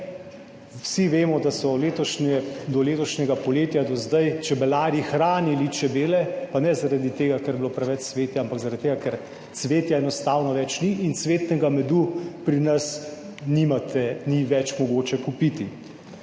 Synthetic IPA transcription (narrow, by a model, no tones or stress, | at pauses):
wsiʋeːmɔd̪asɔleːt̪ɔʃnɛd̪ɔleːt̪ɔʃnʲɛɡapɔleːt̪jad̪ɔzd̪ajt͡ʃɛbɛlaːɾjixɾaːnilit͡ʃɛbeːlɛpanɛzaɾad̪it̪eːɡakɛɾblopɾɛʋɛt͡ʃsʋeːt̪jaampakzaɾad̪it̪eːɡakɛɾ | t̪sʋeːt̪jaɛnɔst̪aːwnɔʋɛt͡ʃniʔːnt̪sʋeːt̪nɛɡamɛd̪upɾinɐs | nimat̪ɛniʋɛt͡ʃmɔɡoːt͡ʃɛkupit̪i